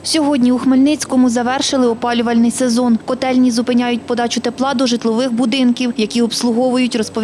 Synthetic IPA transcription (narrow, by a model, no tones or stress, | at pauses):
sʲɔɦɔdʲnʲiuxmelʲnɪt͡sʲkɔmʊzɐʋɛrʃɪlˠɪɔpɑlʲʊʋɐlʲnɪjsezɔnkɔt̪ɛlʲnʲizʊpɪnʲajʊt̚ʲpɔd̪ɑt͡ʃʊt̪eplˠɑd̪ɔʒɪt̪lˠɔʋɪxbʊd̪ɪnkʲiwjɐkʲiɔpslˠʊɦɔʋʊjʊtʲrɔspɔ